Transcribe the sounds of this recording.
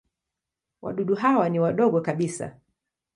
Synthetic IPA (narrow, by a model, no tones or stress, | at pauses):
wa̰ɗuɗuɦawaniwaɗɔɠɔkaɓisa̰